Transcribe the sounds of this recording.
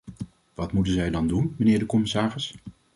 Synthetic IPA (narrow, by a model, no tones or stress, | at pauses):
ʋɑtmutənzɛjdɑndunmənɪːɹdəkɔmɪsaːrɪs